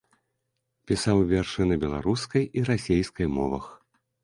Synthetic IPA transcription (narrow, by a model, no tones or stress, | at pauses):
pʲisawvʲɛrʂɨnɐbʲɛlˠa̰ɾuskɐjiɾasʲejskɐjmɔvɐ̰x